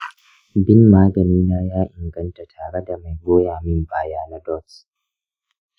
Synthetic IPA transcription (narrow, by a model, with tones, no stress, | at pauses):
bɪ˦mmaː˦ɡɐ˨niː˦naː˦jaː˦ʔɪ˨ŋɡɐ˦nta˨tʰaː˨ɽe˦da˨ma˨jɡʷoː˦jaː˨mɪ˦mbaː˦jaː˦na˦dɔ˦˨ts